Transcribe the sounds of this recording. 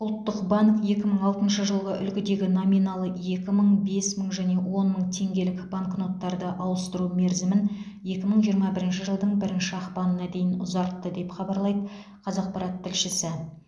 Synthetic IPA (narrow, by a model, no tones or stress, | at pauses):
ʊlˠt̪ːəqbɑŋkje̞kʲɪməɴɑlˠt̪ənʃəʒəlˠʁəʔʏ̰lkʲɪd̪e̞ɡʲɪno̞mijnɑlˠəje̞kʲɪməɴbe̞sməɴʒæne̞wo̞nməɴt̪ʰe̞ŋɡʲe̞lɪkb̥aŋkno̞t̪ːɑɾd̪əʔɑwəst̪əɾume̞ɾzɪmɪn | je̞kʲɪməɴʒijəɾmɑbɪɾɪnʃ̬ɪʒəlˠd̪əɴbɪɾɪnʃɪɑχpɑnənɑd̪e̞jɪnʊzɑɾt̪ːəd̪e̞pχɑbɑɾlˠɑjd̪ə | qʰɑzɑq̚pʰɑɾɑt̪ʰːɪlʃɪsɪ